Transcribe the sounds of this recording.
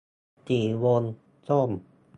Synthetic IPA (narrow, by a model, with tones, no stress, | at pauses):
t͡ɕiː˨˩wo˧n | so˥˩m